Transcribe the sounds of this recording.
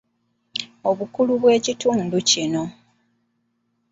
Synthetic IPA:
o̞βukuluβwe̞ːcituːnducino̞

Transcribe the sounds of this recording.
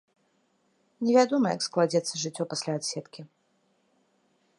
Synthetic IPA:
nʲɛvʲad̪ɔmɐjɐ̰ksklˠad͡zʲɛt̪sːɐʐɨt͡sʲːɔpasʲlʲaːt̪sʲɛt̪kʲi

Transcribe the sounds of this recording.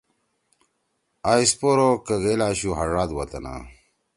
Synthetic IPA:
aːispoɾokɐɣelaːɕuɦɐʐaːd̪wɐt̪ɐ̰na̰

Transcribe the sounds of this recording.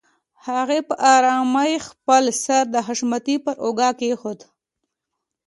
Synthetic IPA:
haɣepəʔɑɾɑmajxpəlsaɾd̪əɦaʃmat̪ipəɾʔoɡɑkexod̪

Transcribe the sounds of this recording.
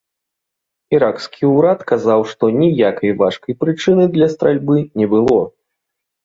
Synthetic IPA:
iɾakskʲʰiuɾat̪kazawʂt̪ɔnʲijakɐjvaʂkɐjpɾɨt͡ʂɨnɨd̪lʲɐst̪ɾalʲbɨnʲɛbɨlˠɔ

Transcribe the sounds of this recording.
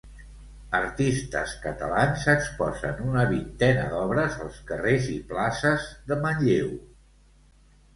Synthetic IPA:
əɾt̪ist̪ə̰skət̪əlanzəkspɔzə̰nunəβint̪ɛnəðɔβɾəzəlˠskəreziplasəzðəməɲʎew

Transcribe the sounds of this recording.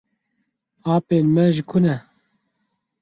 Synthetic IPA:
aːpeːnmɛʒɪkʰunɛ

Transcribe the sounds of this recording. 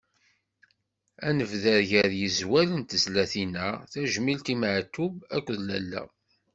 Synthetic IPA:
ænəvðəɾʝəðjəzwælənt̪əzlæθinæθæʒmilt̪iməʕt̪ːubækʷːəðlæ̰lːæ̰

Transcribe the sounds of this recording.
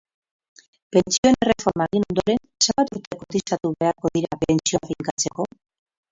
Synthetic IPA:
pe̞nt͡sio̞nere̞fo̞ɾmaɣino̞nd̪o̞ɾe̞n | se̞mbat̪uɾt̪e̞kot̪isat̪uβe̞aɾko̞ðiɾapent͡sioafiŋkat͡se̞ko̞

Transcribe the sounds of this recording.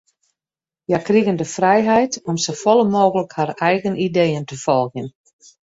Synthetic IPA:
jakriɣəndəfrɛjɦɛjtɔmsofɔlˠəmoːɣələkharɛjɣənideːəntəfɔlˠɣən

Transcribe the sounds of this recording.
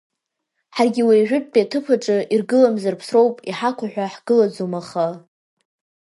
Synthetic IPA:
ħarɡʲiwejʒᶣʷʊt̚ʼt͡pʼiatʰɨpʰaʈ͡ʂʼɨʔirɡɨlamzarpʰsrowpʼiħakʷʰaħᶣʷaħɡ̥ɨlad͡zomaχa

